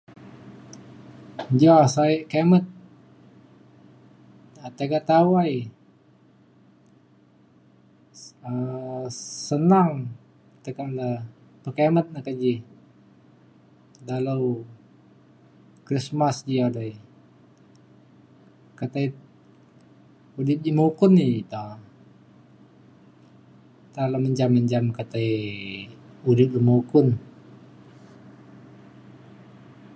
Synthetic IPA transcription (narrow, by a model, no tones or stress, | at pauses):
d͡ʒasaiʔkemət̪̚ | at̪eɡat̪awaj | ə | sənaŋ | t̪əkaləpəkemət̪̚nakad͡ʒi | daləw | kɾismasd͡ʒiadai | kat̪ai | udɪp̪̚d͡ʒimoukʊnːit̪a | t̪alaməɲd͡ʒaməɲd͡ʒamkat̪ai | udɪp̪̚imoukʊn